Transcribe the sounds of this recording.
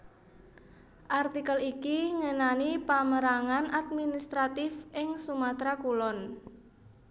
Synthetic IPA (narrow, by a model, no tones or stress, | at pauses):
ʔart̪ikəlikiŋənanipaməɾaŋanat̪̚minist̪ɾat̪ɪfʔɪŋsumat̪ɾakulɔn